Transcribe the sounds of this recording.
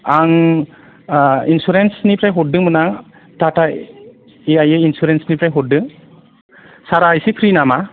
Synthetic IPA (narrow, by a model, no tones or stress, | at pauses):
aŋ | insuɾensnipɾajɦɔt̚dɯŋmɯnaŋ | tata | eajeinsuɾensnipɾajɦɔt̚dɯŋ | saɾajsipʰɾinama